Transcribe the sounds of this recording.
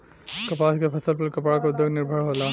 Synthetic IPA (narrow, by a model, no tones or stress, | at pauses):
kɐpaːskepʰɐsəlpɐɾkɐpɽakaʊd̪joɡnɪɾbʱəɽɦoːlaː